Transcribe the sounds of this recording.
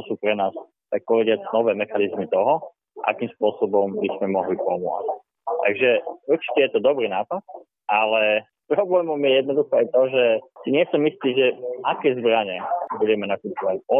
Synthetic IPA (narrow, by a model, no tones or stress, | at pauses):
ɔsuːpɾɛnaːs | t̪ak̚pɔʋɛɟɪat͡snɔʋɛːmɛxanizmit̪ɔɦɔ | ʔa̰kiːmspʊɔsɔbɔmbismɛmɔɦlipɔmʊɔ̰t͡sc̚ | t̪a̰ɡʒɛuɾt͡ʃi̥cɛjɛt̪ɔd̪ɔbɾiːnaːpat̪̚ | ʔalɛ | pɾɔblɛːmɔmjɛjɛd̪nɔd̪uxɔajt̪ɔʒɛsiɲɪɛsɔmist̪iːʒɛʔakɛːzbɾaɲɛbuɟɛmɛnakuːpɔʋacɔ